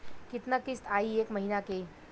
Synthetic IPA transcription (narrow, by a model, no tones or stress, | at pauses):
kɪt̪nakɪst̪aːieːkmɐɦiːnake